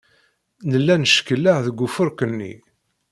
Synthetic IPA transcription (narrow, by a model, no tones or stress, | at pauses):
nəlːænəʃkəlːaʕðəɡʷːufʊɾkənːḭ